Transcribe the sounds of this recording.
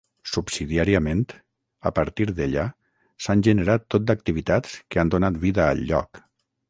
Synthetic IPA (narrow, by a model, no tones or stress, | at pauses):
subsiðiaɾiəment̪ | əpəɾt̪iɾðeʎa | sanʲʒəneɾat̪ːot̪̚d̪ək̚t̪iβ̞it̪at͡skeand̪onat̪βiðə̰ːlʎːɔ̰k